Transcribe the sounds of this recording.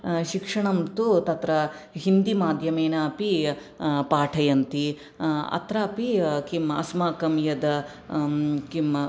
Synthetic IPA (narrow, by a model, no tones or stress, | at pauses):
ʃikʂɐɳɐmt̪ut̪ɐt̪ɾɐɦind̪imaːd̪ʱjɐmeːnaːpi | paːʈʰɐjɐnt̪i | ɐ̰t̪ɾaːpikimɐ̰smaːkɐmjɐd̪ɐ | kim